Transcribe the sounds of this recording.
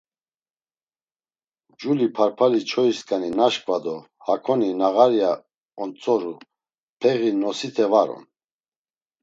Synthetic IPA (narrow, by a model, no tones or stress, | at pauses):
d͡ʒulipʰaɾpʰalit͡ʃʰɔiskʼaninaʃkʼvad̪ɔ | hakʰɔninaɣaɾija | ɔnt͡sʼɔɾu | pʰɛɣinɔsit̪ʰɛvaɾɔ̰n